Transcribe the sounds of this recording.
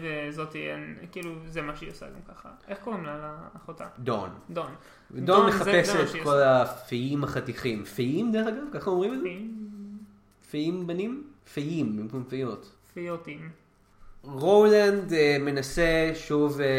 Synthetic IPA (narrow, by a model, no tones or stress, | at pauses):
ezot̪ienkiiːluzemaʃeiosa̰ɡamkaχa̰eχkoimnalaːχota̰d̪o̰nd̪on | vedonmeχapeset̪ko̞lafijimaχat̪iχimfiʔimd̪eχaɡavkaχaomʁimaz | fiimbanim | fejimbimkumfijot̪ | fijot̪im | ʁowlandme̞naseʃuv